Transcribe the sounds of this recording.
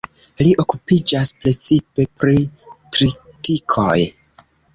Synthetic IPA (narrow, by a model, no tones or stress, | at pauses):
liʔo̞kupid͡ʒaspɾe̞t͡sipe̞pɾitɾitikʰo̞j